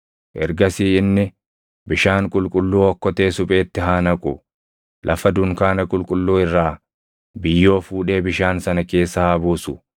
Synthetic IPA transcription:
ʔɛɾɡɐsiːɪnːɪ | bɪʃaːŋkʼʊlkʼʊlːuːɔkːɔt̪e̞ːsʊpʼe̞ːt̪ːɪɦaːnɐkʼʊ | lʔɐfɐd̪ʊŋkaːnɐkʼʊlkʼʊlːuːɪrːaː | bɪjːo̞ːfuːᶑe̞ːbɪʃaːnsɐnɐke̞ːsːɐɐbuːsʊ

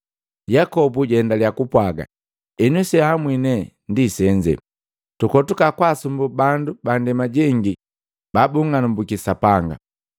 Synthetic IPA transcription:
jakɔbuɟɛndaliakupwaɡa̰ | ɛnusɛhamwinɛndisɛɲd͡ʒɛ̰ | tukɔtukakwasumbubandubandɛmaɟɛŋɡi | babuŋanumbukisapaŋɡa̰

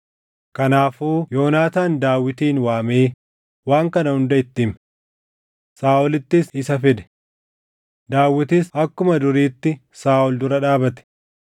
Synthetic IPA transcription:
kɐnaːfuːjo̞ːnaːt̪aːnd̪aːwːɪt̪iːnwaːmeː | waːŋkɐnɐhʊnd̪ɐɪt̪ːɪm | saːʔɔlɪt̪ːɪsɪsɐfɪd̪ɛ̥ | d̪aːwːɪt̪ɪsɐkːʊmɐd̪ʊɾiːt̪ːɪ | saːʔɔld̪ʊɾɐᶑaːbɐt̪ɛ̥

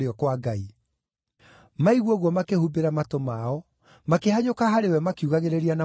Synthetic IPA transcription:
ɾeɔkwaɡai | maiɣwɔɣwɔmakehubeɾamatomaɔ | makehaɲokaɦaɾewɛmakiuɣaɣeɾeɾiana

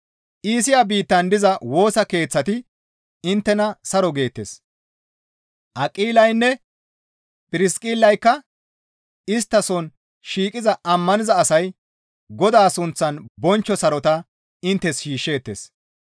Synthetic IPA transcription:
ʔiːs̬ɪjabiːt̪ːɐnd̪ɪzɐwo̞ːsɐke̞ːt͡sːɐt̪ɪ | ɪnt̪ːɛnɐsɐɾɔɡe̞ːt̪ːḛs | ʔɐkʼiːlɐjnːɛ | pʼɪɾɪskʼɪlːɐjkːɐ | ɪst̪ːɐsɔn | ʃiːkʼɪzɐʔɐmːɐnɪzɐːsɐj | ɡɔd̪aːsʊnt͡sːɐnbɔnt͡ʃːɔsɐɾɔt̪ɐ | ɪnt̪ːɛsʃiːʃːe̞ːt̪ːḛs

